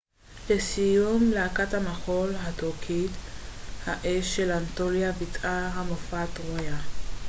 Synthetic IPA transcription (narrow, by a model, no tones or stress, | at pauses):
lesijumlaakathamaχolɦatokʰithaʔeʃːelantoliabitʔaɦamofatʁoja